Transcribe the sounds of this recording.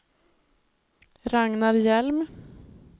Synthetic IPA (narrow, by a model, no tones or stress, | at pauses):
ɾɑŋnɑɾjɛlm